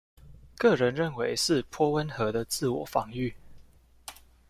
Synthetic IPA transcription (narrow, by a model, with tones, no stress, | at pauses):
kɤ˥˨ɻə˨˦nɻə˥˩nwe˧˥ɪʂɻ̩˥˨pʰwɔ˥wə˦nxɤ˧˦d̪ə˨t͡sɹ̩˥˩wɔ˨˩fɑ˧˥ŋy˥˨